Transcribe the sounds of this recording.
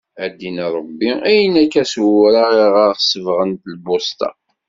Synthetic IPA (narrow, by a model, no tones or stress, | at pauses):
æd̪inɾˤəbːiæjənækːæswɾaʁiʁaɾsəvʁənt̪lbost̪ɑ̰